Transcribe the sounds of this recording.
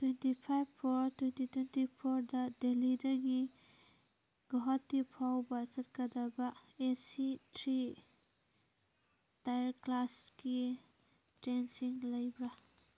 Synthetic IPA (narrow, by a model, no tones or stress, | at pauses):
twentipʰajbpʰɔɾtwentitwentipʰɔɾdɐdelidɐɡi | ɡ̥ɔɦɔtːipʰawbɐt͡ʃɐt̚kɐdɐbɐesitɾi | tajaɾklaski | tɾensiŋlɐjbɾa